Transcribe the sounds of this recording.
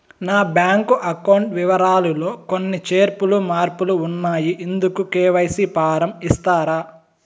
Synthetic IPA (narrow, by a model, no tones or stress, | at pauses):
naːbjaːŋkuʔɐkɐwuɳʈʋiʋɐɾaːlulo̞ːko̞nːit͡ʃe̞ːɾpulumaːɾpuluːnːaːjiʔend̪ukukɛːʋɐjsipaːɾɐmist̪aːɾaː